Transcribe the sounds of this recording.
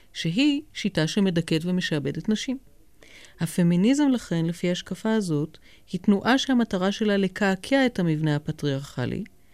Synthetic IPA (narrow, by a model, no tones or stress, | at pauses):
ʃeɦiʃitaʃeme̞daketveme̞ʃabe̞detnaʃim | hafe̞minizemlaχe̞nlefiahaʃkafaazo̞t | hitnuʔaʃehamataʁaʃe̞lalekʰaːkʰeaethamivnehapatʁiaʁχa̰lʔḭ